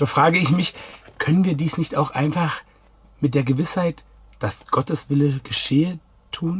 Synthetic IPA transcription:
d̥aːfʁ̥aːɡəɪçmɪçkʰœnənviːɐdiːsnɪçtaʊxʔa̰ɪnfaχ | mɪt̚d̥eːɐɡəvɪshaɪt | d̥asɡ̥ɔtəsv̥ɪləɡ̥əʃeːə | tʰuːn

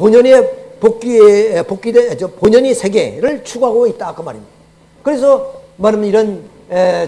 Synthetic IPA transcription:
poɲʌnepok͈ipok͈ided͡ʑopoɲʌnesʰe̞ɡe̞̰ɾɯɭt͡ɕʰuɡɦaɡoit̚t͈akɯma̰ɾimɲid̥aa | kɯɾe̞s̬ʰʌmanɯmiɾʌn | e

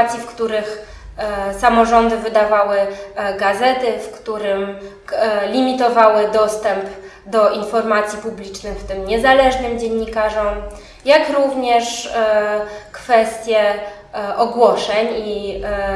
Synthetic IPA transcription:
t̪sʲjifkt̪uɾɘx | samɔʐɔnd̪ɘvɘd̪avawɘɡazɛt̪ɘfkt̪uɾɘm | lʲimʲit̪ɔvawɘd̪ɔst̪ɛmp | d̪ɔinfɔɾmat̪sʲjipublʲit͡ʂnɘxft̪ɘmɲɛzalɛʐnɘmd͡ʑeɲːikaʐɔm | jakɾuvɲɛʂ | kfɛst̪ʲjɛ | ɔɡwɔʂɛɲi

